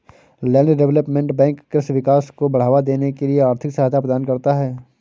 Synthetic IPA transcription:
lɛːɖɖɛʋləpmẽɳʈbɛ̃ːŋkːɾɪsʋɪkaːskobɐɽ̤aːʋad̪eːnekelieaːɾt̪ʰɪksɐɦaːt̪apɾəd̪aːnkɐɾt̪aɦɛː

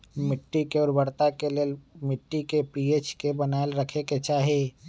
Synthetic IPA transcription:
mɪʈːikeɔːɾbəɾt̪akelelmɪʈːikepiːeːt͡ʃkebənaːlɾəkʰeket͡ʃaːɦie

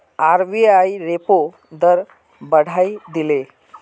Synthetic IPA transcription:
aɾʋiajɾepo | d̪əɾ | bəɽ̤aid̪ile

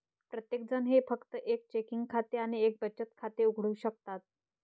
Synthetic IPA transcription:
pɾət̪jek̚d͡zənɦefəkt̪əʔek̚t͡ɕekiŋɡkʰat̪eaɽ̃iek̚bət͡ɕːət̪̚kʰat̪euɡʱɽuːɕək̚t̪at̪̚

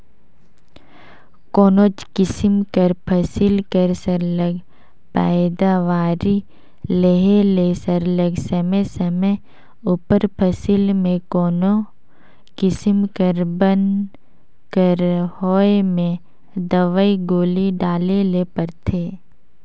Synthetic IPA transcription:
koːnot͡ʃkɪsɪmkəɾpʰəsɪlkəɾsəɾləɡ | pɛɪd̪aʋaːɾi | leɦelesəɾləɡsəməjsəməj | upəɾpʰəsɪlmẽkoːno | kɪsɪmkəɾbən | kəɾhoːemẽ | d̪əʋəiɡoːliɖaːlelepəɾt̪ʰeː

